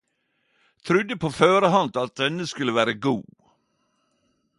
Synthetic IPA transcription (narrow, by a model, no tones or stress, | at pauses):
t̪ʰɾʉd̪əpʰoːføːɾəɦɑnd̪ɑt̪̚d̪ɛnəskʉlːəʋæːɾəɡuː